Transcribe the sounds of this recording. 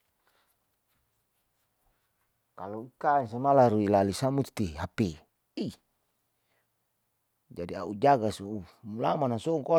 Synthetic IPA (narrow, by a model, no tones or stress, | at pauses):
kaluikainsamalaɾuilalisamut̪iɦape | i | d͡ʒadia̰ud͡ʒaɡasuumulamanasɔŋkɔ